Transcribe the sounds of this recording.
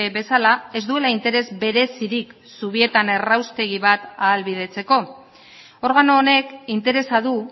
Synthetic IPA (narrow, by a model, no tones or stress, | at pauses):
βe̞salae̞zd̪ue̞laint̪e̞ɾe̞zbe̞ɾe̞siɾik | suβ̞ie̞t̪ane̞rawst̪e̞ɣ̞iβat̪aːlβiðe̞t͡se̞ko̞ | o̞ɾɣanoːne̞kint̪e̞ɾe̞saðu